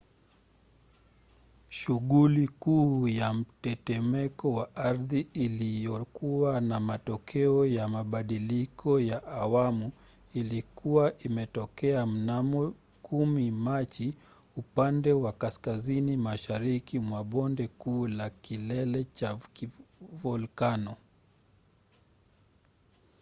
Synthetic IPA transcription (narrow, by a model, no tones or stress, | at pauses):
ʃuɠulikuːjam̩tɛtɛmɛkɔwaʔaɾðiːlijɔkuwanamatɔkʰɛɔjamaɓaɗilikʰɔjaʔawamu | ilikuwaʔimɛtɔkɛam̩namɔ | kumimat͡ʃi | upandɛwakaskazinimaʃaɾikimwaɓɔndɛkuːlakilɛlɛt͡ʃakivɔlkanɔ